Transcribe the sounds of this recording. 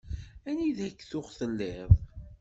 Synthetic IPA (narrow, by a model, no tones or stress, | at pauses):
æniðækːθʊʁθəlːɪðˤ